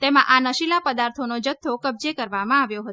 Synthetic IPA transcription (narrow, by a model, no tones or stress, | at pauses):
t̪emãʔanəʃilapəd̪aɾt̪ʰonod͡ʒət̪ʰːokəb̚d͡ʒekəɾʋamãaʋjoɦə